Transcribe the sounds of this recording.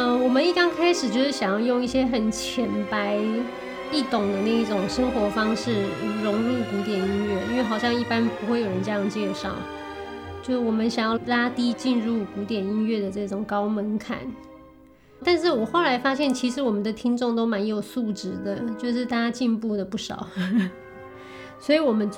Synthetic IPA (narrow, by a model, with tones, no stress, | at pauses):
ə˧wɔ˨˩mə˦ni˥˩kɑ˥ŋkʰa˥ɪʂɻ̩˨˩t͡ɕjo˥˧ʂɻ̩˥˩ɕjɑ˨˩ŋjɑ˥˧ʊjʊ˥˧ŋi˥˩ɕjɛ˥xə˨˩nt͡ɕʰjɛ˧˥npa˧˥ɪ | i˥˩t̪ʊ˨˩ŋd̪ə˦ne˥˩i˥˩ʈ͡ʂʊ˨˩ŋʂə˥ŋxwɔ˧˥fɑ˥ŋʂɻ̩˥˩˧ɻʊ˧˥ŋɻu˥˩ku˧˥t̪jɛ˨˩ni˥nɥɛ˥˩i˥nwe˥˩ɪxɑ˨˩ʊɕjɑ˥˧ŋi˥˩pa˥npu˧˥xwe˥˩ɪjo˨˩ɻə˧˦nʈ͡ʂjɑ˥˧ŋt͡ɕjɛ˥˧ʂɑ̰˥˩ʊ | t͡ɕjo˥˧ʊʂwɔ˨˩mə˦nɕjɑ˨˩ŋjɑ˥˩ʊla˥t̪i˥t͡ɕi˥˧nɻu˥˩ku˧˥t̪jɛ˨˩ni˥nɥɛ˥˩d̪ə˩ʈ͡ʂɤ˥˩ʈ͡ʂʊ˨˩ŋkɑ˥ʊmə˧˥nkʰa̰˨˩˦n | t̪a˥˧nʂ̬ɻ̩˥˩wɔ˨˩xo˥˩ʊla˧˥ɪfa˥ɕjɛ˥˩nt͡ɕʰi˧˥ʂɻ̩˧˥wɔ˨˩mə˦nd̪ə˧t̪ʰi˥nʈ͡ʂʊ˥˩ŋt̪o˥ʊma˧˥njo˨˩ʊsu˥˩ʈ͡ʂɻ̩˧˥d̪ə˧t͡ɕjo˥˧ʊʂ̬ɻ̩˥˧t̪a˥˩t͡ɕa˥t͡ɕi˥˧npu˥˩d̪ə˩pu˥˩ʂɑ̰˨˩˦ʊ | swɔ˧˥i˨˧˥wɔ˨˩mə˦n